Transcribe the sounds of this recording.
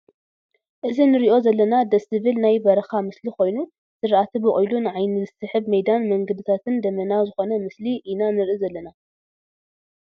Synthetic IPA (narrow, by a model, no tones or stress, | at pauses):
ʔɨzinɨɾiʔo̞zɐlːɐnad̪ɐsɨβilnajbɐɾɐxamɨsliko̞jnu | zɨɾʔat̪ʰɨbɨχʼujlunɨʕajnɨzɨsɨħɨbmɐjd̪anmɐŋɡɐd̪ɨt̪ʰat̪ʰɨnd̪ɐmɐnawzɨxo̞nɐmɨsliʔinanɨɾʔizɐlːɐna